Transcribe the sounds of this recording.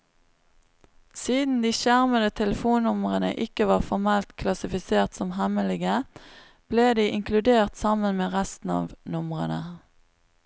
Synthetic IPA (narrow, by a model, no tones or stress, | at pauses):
siːd̪n̩d̪iːʃæʁməd̪ət̪ʰɛləfuːnːʊməʁənə̰ʔɪkəʋɑːʁfɔʁmɛlt̪kʰlɑsɪfɪseːʁt̪sɔmɦɛməlɪɡə | b̥leːd̪iːʔɪŋkʰlʉd̪eːʁt̪sɑmənmeːʁæst̪n̩ɑ̰ːʋnʊməʁənə